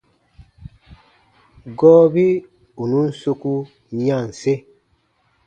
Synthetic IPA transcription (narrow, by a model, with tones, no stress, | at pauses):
ɡɔː˦bi˦ | u˨nu˦n̩˦so˦ku˦ | ɲã˦˨n˨se˦